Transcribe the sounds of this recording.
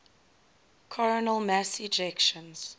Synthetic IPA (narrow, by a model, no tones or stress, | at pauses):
kʰɔɹənəlˠmæsid͡ʒɛkʃə̃nz̥